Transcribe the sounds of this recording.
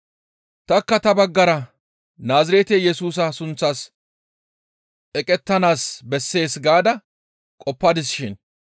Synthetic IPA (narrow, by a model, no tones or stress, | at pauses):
t̪ɐkːɐt̪ɐbɐɡːɐɾɐ | naːzɪɾeːt̪ejɛsuːs̬ɐsʊnt͡sːas | ɛkʼɛt̪ːɐnaːsbɛsːe̞ːsɡaːd̪ɐ | kʼɔpːɐd̪ɪsɪʃɪn